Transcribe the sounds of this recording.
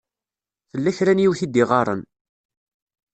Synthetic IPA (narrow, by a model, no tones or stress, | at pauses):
θəlːæçɾænjiwθid̪iʁɑɾˤə̰n